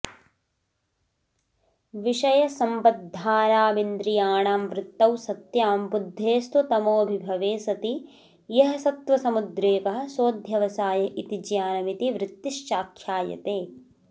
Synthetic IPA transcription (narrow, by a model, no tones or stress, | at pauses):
ʋiʂɐjɐsɐmbɐd̪ʱːaːɾaːmind̪ɾijaːɳaːmʋɾɪt̪ːɐwsɐt̪jaːmbud̪ʱːeːst̪ut̪ɐmoːbʱibʱɐʋeːsɐt̪i | jɐɦɐsɐt̪ʋɐsɐmud̪ɾeːpɐɦɐ̆soːd̪ʱjɐʋɐsaːjɐʔit̪id͡ʒjaːnɐmit̪iʋɾɪt̪ːiʃt͡ʃaːkʰjaːjɐ̰t̪eː